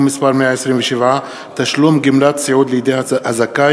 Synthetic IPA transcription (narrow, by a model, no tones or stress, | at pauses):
mispaʁmeaʕesʁimveʃevʕa | t̪aʃlumɡimlat̪siʕud̪lejid̪ejhhazaka